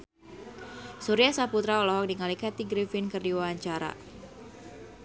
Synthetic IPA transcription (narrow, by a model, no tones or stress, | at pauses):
suɾiasaput̪ɾaɔlɔɦɔk̚diŋalikat̪iɡɾifɪnkɨrdiwawaɲt͡ʃaɾa̰